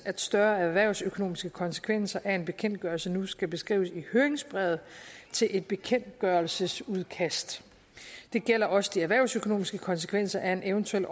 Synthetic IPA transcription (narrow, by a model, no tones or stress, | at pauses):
æd̥sd̥ɶɐæʋæɐ̰ʊ̰søkʰo̝no̝̰ːmisɡ̥əkʰɒ̽nsə̥kʰʋen̰sɐʔæe̝nb̥e̝kʰen̰d̥̚ɡ̥ɶɐlsənusɡ̥æb̥e̝sɡ̥ʁḭːʊəsihøːɐeŋsb̥ʁɛð̞̩ˠt͡sʰe̝lʔe̝d̥̚b̥e̝kʰen̰d̥̚ɡ̥ɶɐlsəsuðˠkʰæsd̥ | d̥e̝ɡ̥el̰ɐʔɒ̽səd̥iæʋæɐʊsøkʰo̝no̝ːmisɡ̥əkʰɒ̽ns̬ə̥kʰʋen̰sɐʔæe̝neʊənt͡sʰuel̰